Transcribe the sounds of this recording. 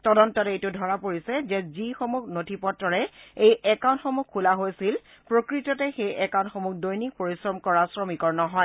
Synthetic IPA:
tɔdɔntɔtejtʊdʱɔɹapoɹisɛzɛzixomukʰnotʰipɔtɹɔɹɛejɛkaʊntxɔmukʰːulaɦojsil | pɹokɹitɔtɛxejʔɛkaw̃ntxomuk̚dojnik̚poɹisɹɔmkɔɹasɹɔmikɔɹnɔɦɔj

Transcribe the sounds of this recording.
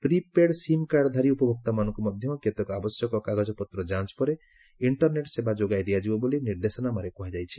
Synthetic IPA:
pɾipeɽsimkaɖd̪ʱaɾiupɔbʱɔk̚t̪amanɔ̃ŋkumɔd̪ʱjɔket̪ɔkɔabɔsjɔkɔkaɡɔd͡ʒɔpɔt̪ɾɔd͡ʒãt͡ʃɔ̥pɔɾe | iɳʈɔɾneʈsebad͡ʒoɡajd̪ijad͡ʒibɔboliniɾd̪esɔnamaɾekuɦad͡ʒajt͡ʃʰi̥

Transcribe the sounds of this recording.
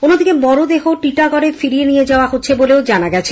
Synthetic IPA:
onːod̪ikebɔɾod̪eɦoʈiʈaɡɔɾefiɾienied͡ʑaoaɦotːɕʰeboleod͡ʑanaɡɛt͡ɕʰe

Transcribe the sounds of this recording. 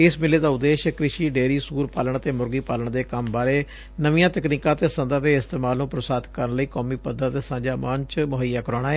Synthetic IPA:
ɪsmɪleːd̪aːʊd̪ːeːʃkɾɪʃiːɖeːɾiːsuːɾpaːləɳət̪eːmʊɾɡiːpaːləɳd̪eːkəmbaːɾeː | nəʋijãːt̪əkniːkãːt̪eːsənd̪əd̪eːɪst̪eːmaːlnũːpɾəsaːd̪kəɾənləiːkɔːmiːpəd̪əɾt̪eːsãːd͡ʒaːmənt͡ʃmʊɦəjːaːkəɾoːɽ̃aːeː

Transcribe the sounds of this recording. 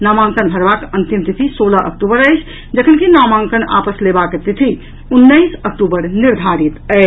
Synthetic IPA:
namãŋkənbʱəɾbakənt̪imt̪it̪ʰisoləʔə̰k̚ʈubəɾəjt͡ʃʰ | d͡ʒəkʰənkinamaŋkəna̰pəslebaket̪it̪ʰi | unːəjsəkʈubəɾniɾd̪ʱaɾit̪əɪ

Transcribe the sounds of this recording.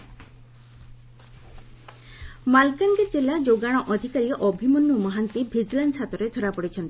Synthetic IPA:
malkaŋɡed͡ʒelad͡ʒoɡaɽ̃ɔʔɔd̪ʱikaɾiɔʔɔbʱimɔnːumɔɦant̪ibʱid͡ʒlansʰat̪ɔɾed̪ʰʱɔɾapɔɽit͡ʃʰɔnt̪i

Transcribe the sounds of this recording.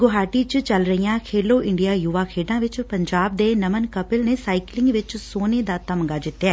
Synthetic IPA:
ɡoɦaːʈiːt͡ʃt͡ʃəlɾəijãːkʰeːloːʔɪ̃ɳɖijaːjʊʋaːkʰeːɖãːʋɪt͡ʃpəɲd͡ʒaːb̚d̪eːnəmənkəpɪlneːsaːɪklɪ̃ŋɡʋɪt͡ʃsoːneːd̪aːt̪əmɡaːd͡ʒɪt̪ːjaɛː

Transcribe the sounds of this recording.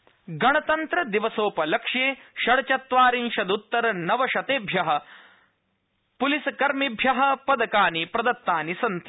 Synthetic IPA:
ɡɐɳɐt̪ɐnt̪ɾɐd̪iʋɐsoːpɐlɐkʂjeːʃɐɽɐt͡ʃɐt̪ʋaːɾinʃɐd̪ut̪ːɐɾɐnɐʋɐʃɐt̪eːbʱjɐɦɐ̆ | pulisɐkɐɾmibʱjɐɦɐ̆pɐd̪ɐkaːnipɾɐd̪ɐt̪ːaːnisɐnt̪ɐ

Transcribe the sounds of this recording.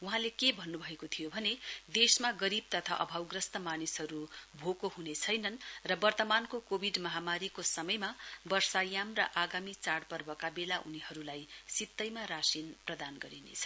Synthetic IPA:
uɦãlekebʱʌnːubʱʌekot̪ʰijobʱʌned̪esmaɡʌɾib̚t̪ʌt̪ʰaʔʌ̰bʱawɡrʌst̪ʌmanisɦʌɾubʱokohɦunet͡sʰʌjnʌnrʌbʌrt̪ʌmankokobʱiɖmʌɦamaɾikosʌmʌjmabʌrsajamrʌ̰ʔaɡamit͡saɽpʌrbʌkabelaʔuniɦʌɾulajsit̪ːʌjmarasinprʌd̪anɡʌɾinḛt͡sʰʌ̥

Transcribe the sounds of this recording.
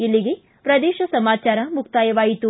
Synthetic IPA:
ilːiɡe̞ | pɾɐd̪eːʃɐsɐmaːt͡ʃaːɾɐmukʰt̪aːjɐʋaːjit̪u

